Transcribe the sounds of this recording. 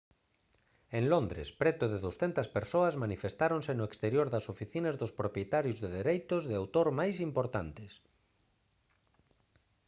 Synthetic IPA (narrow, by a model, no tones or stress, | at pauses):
ẽŋlõnd̪ɾḛspɾet̪ʊðeðowsθent̪ɐspeɾsoazmanifest̪aɾõnsenoekst̪eɾjoɾðɐsofiθinazðospɾopjet̪aɾjozðeðeɾejt̪ozðeawt̪oɾmajsimpoɾt̪ant̪es